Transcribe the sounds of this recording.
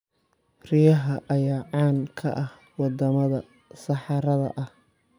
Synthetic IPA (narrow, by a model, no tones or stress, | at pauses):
rɪjɐɦɐʔɐjaːʕɑːŋkʰɐ̰ʔɐh | wɑd̪ɐmɐðɐ | sɐħɑɾɐðɐ̰ʔɐh